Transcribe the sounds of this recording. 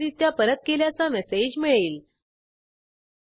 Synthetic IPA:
iːt̪japəɾət̪̚keljat͡samɛsed͡ʑmiɭiːl

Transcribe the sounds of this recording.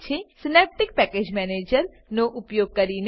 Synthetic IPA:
t͡ʃʰesɪneːp̚ʈɪk̚pɛːkeːd͡ʒmɛːneːd͡ʒəɾ | noʔʊpjoːɡ̚kɐɾin

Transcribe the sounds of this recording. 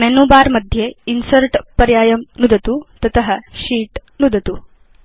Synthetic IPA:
mɛnuːbaːɾmɐd̪ʱjeinsɐɾʈpɐɾjaːjɐmnud̪ɐt̪ut̪ɐt̪ɐɦɐʃiːʈnud̪ɐt̪u

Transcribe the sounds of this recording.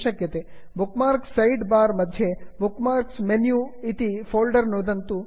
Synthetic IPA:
ʃɐkjɐt̪ebukmaːɾksːɐjɖbaːɾmɐd̪ʱjebukmaːɾksmenjuːit̪ipʰoːlɖɐɾnuːd̪ɐnt̪u

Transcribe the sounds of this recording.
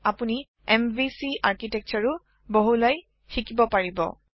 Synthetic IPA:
apuni | ɛmbisiaɹkitɛk̚t͡ʃɔɹu | boɦulaj | xikibɔpaɹibɔ̰

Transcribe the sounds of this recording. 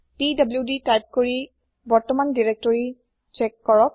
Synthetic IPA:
tidabljuditajp̚koɹi | bɔɹtɔmandiɹek̚tɔɹi | t͡ʃɛkːɔɹɔk̚

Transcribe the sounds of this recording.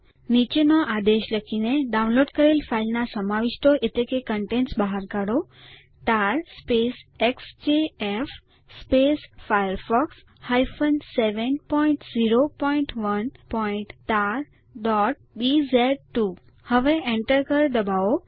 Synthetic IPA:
nit͡ʃenɔʔad̪eʃləkʰineɖaunloɖkəɾelfʰailnasəmaʋiʃʈoʔet̪lekekəɳʈensbaɦaɾkaɽo | t̪aɾspesekst͡ʃeef | spesfajəɾfɔks | hajfənseʋənpɔĩɳʈziɾopɔiɳʈʋənpɔiɳʈt̪aɾ | ɖɔʈ̚bizɛɖ̚ʈu | həʋeʔẽɳʈəɾkəɾd̪əbao

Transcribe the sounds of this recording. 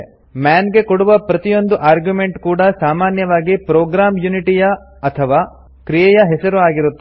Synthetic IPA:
maːnɡe̞koɽuʋɐpɾɐt̪ijo̞nd̪uʔaːɾɡjume̞ɳʈkuːɽɐsaːmaːnjɐʋaːɡipɾoːɡɾaːmjuniʈijɐ | ɐt̪ʰɐʋaː | kɾijɛjɐɦɛsɐɾuaːɡiɾut̪ːe

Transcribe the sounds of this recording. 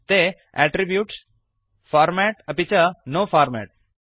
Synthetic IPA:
t̪e | ɛʈɾibjuːʈs | faːɾmɛʈɐpit͡ʃɐnoːfaːɾmɛ̰ʈ̚

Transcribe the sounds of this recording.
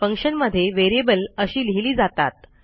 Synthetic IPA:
fəŋkʂənməd̪ʱːjeʋeɾiebələɕiːliɦliːd͡zat̪at̪̚

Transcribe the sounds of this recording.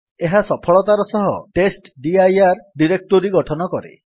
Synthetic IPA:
eɦasɔpʰɔɭɔt̪aɾɔsɔɦɔʈesʈɖiajaɾɖiɾek̚ʈoɾiɡɔʈʰɔnɔkɔɾḛ

